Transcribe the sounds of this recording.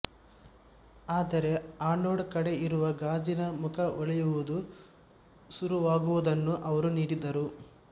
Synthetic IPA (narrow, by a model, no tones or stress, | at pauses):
aːd̪ɐɾe̞aːnoːɖkɐɽe̞iɾuʋɐɡaːd͡ʒinɐmukʰɐʔɔɭjuʋud̪u | suɾuʋaːɡuʋud̪ɐnːuʔɐʋɐɾuniːɽid̪ɐɾu